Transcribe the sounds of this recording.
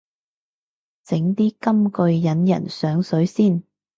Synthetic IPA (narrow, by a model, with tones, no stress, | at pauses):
t͡sɪ˨˥ŋt̪iː˥kɐ˥mkɵ˧ɥjɐ˨˥njɐ̰˨˩nsœː˨˥ŋsɵ˨˥ɥsiː˥˩n